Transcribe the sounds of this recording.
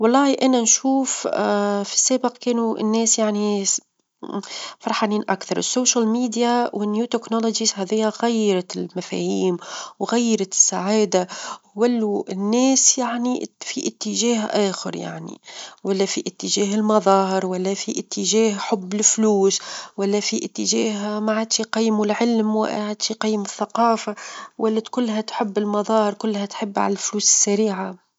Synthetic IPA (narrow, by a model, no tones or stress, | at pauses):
wɑlˤːɑːhiʔananʃuːf | fi̥sːaːbɪqkeːnuɪ̰nːeːsjaʕni | fɑɾˤħaːniːnʔakθɑɾˤɪ̰sːoːʃalmiːd̪jawɪnjuːt̪ɪknɑlod͡ʒizhaːðɪjːaɣajːɑɾˤɑɪlmafa̰ːhiːmwɣajːɑɾɑt̪ɪ̥sːaʕaːd̪awalːuɪnːeːsjaʕnifiʔɪt̪ːɪʒaːhʔaːxɪ̰ɾja̰ʕnḭwalːafiʔɪt̪ːɪʒaːɦɪlmɑðˤɑːhɪɾwalːafiʔɪt̪ʰːɪʒeːhħʊbːɪlfluːswalːafiʔɪt̪ːɪʒeːɦamaʕad̪ʃiqɑjːmulʕɪlmwa̰ʕad̪ʃiqɑjːmʊθːaqɑːfawalːat̪kʊlːɦat̪ħɪbːɪlmɑðˤɑːhɪɾkʊlːhat̪ħɪbːʕa̰lalfluːsɪ̥sːaɾiːʕa